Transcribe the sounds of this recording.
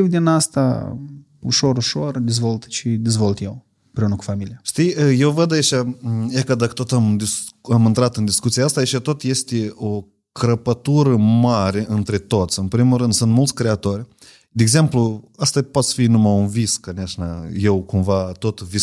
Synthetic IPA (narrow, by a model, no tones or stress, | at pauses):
ivd̪inast̪a̰ | uʃo̞ɾuʃord̪ezvo̞lt̪t͡ʃid̪ezvolt̪jew | ɨmpɾeunəku̥familijaʃt̪ijəje̞wvəd̪ait͡ʃʲajakəd̪akə̥t̪o̞t̪amd̪iamɨnt̪ɾat̪ɨnd̪iskut̪siaast̪aːit͡ʃat̪o̞t̪je̞st̪eo | kɾəpət̪uɾəmaɾe̞ʔɨnt̪ɾe̞t̪o̞t̪sʲɨnpɾimulɾɨnd̪sɨnt̪mult̪sʲkɾeat̪o̞rʲ | d̪eːɡze̞mpluast̪apot̪sfinumaunviskaneaʃnaje̞wkumvat̪o̞t̪vis